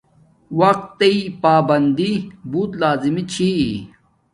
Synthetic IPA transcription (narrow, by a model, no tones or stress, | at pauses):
wɐq̚t̪ːeipaːbɐnd̪ibuːt̪laːzimit͡ɕʰi